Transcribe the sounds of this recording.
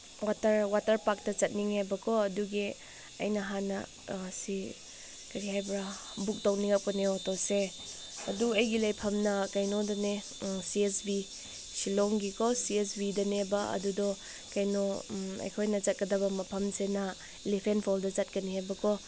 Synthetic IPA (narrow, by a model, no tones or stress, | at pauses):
watɐɾwatɐɾpak̚tɐt͡ʃɐt̚niŋhajbɐkʰɔɐduɡi | ɐ̰jnɐɦanɐ | si | kɐɾiɦajbɾabuk̚towniŋɐp̚kɔnewɔtɔse | ɐ̰duɐjɡilɐjpʰɐmnɐkɐjnodɐne | siesbi | silɔŋɡikʰɔsiesbidɐnebɐɐ̰dudɔ | kɐjnoɐ̰jkʰojnɐt͡ʃɐt̚kɐdɐbɐmɐpʰɐmsenɐ | ilepʰenpʰɔldɐt͡ʃɐt̚kɐnihajbɐkʰɔ